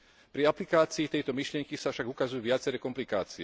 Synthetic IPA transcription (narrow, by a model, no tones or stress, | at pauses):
pɾiaplikaːt͡siːt̪ɛjt̪ɔmiʃlɪɛŋkisafʃaɡukazujuʋɪat͡sɛɾɛkɔmplika̰ːt͡siɛ